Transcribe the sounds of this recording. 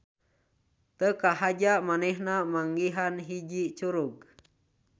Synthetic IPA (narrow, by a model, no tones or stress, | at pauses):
t̪əkaɦad͡ʒamanɛhnamaŋɡiɦanɦid͡ʒit͡ʃuɾuɡ̚